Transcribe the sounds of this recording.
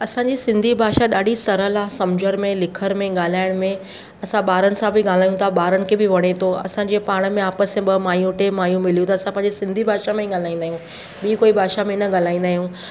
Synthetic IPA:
ɐsãɲd͡ʑisɪ̃nd̪ʱibʱaːʃaɗaːɖisɐɾəlaːsɐmd͡ʑʱəɾmẽlɪkʰəɾmẽɠaːl̤aːɪɽ̃mẽ | ɐsãɓaːɾənɪ̆sãbʱɪɠaːl̤aːjũt̪ʰaɓaːɾənɪ̆kʰebɪʋɐɽ̃et̪ʰoɐ̰sãːɲd͡ʑeːpaːɽ̃̆mẽaːpəsẽɓɐmaːjũʈemaːjũmɪl̤ijũt̪ʰaːɐsãpɐ̃ɦɪ̃ɲd͡ʑesɪ̃nd̪ʱibʱaːʃamẽɠaːl̤aːĩnd̪aːijũ | ɓiːkoːibʱaːʃamẽɪnəɠaːl̤aːĩːnd̪aːɦijũː

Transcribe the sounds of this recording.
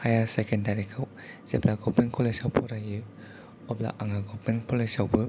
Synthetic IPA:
hajaɾsekendaɾikʰaw | z̥eplaɡɔpiŋkʰɔlesawpʰɔɾajɯ | ɔbla̰ʔaŋaɡɔpinkʰɔlesawbɯ

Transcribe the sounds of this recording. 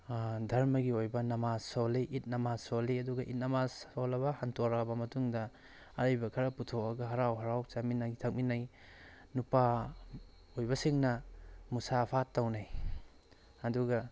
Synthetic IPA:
dʱɐɾmɐɡiojbɐnɐmasoliʔit̚nɐmasoliɐduɡɐʔit̚nɐmasolɐβɐhantʰoɾɐbɐmɐtuŋdɐ | ɐɾajbɐkʰɐɾɐputʰoɐɡɐɦɐɾawɦɐɾawt͡ʃaminatʰak̚minaj | nupa | ojbɐsiŋnɐmusapʰatːawnaj | ɐduɡɐ

